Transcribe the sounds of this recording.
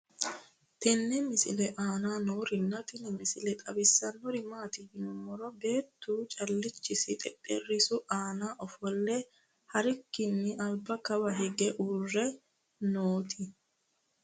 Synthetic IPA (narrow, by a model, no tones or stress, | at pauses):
t̪ɛnːɛmɪsɪ̰lɛʔaːnaːnoːɾɪnːɐt̪ɪnɪmɪsɪlɛt̪ʼɐbɪsːɐnːɔɾɪmaːt̪ɪhɪnʊmɔɾɔbe̞ːt̪ːuːt͡ʃʼɐlːɪt͡ʃːɪsɪt̪ʼɛpʼːɛrːɪsʊʔaːnaːʔɔfɔlːɛ | hɐɾɪkːɪnːɪʔɐlbɐkɐbɐɦɛɡɛʔuːrːɛ | noːt̪ɪ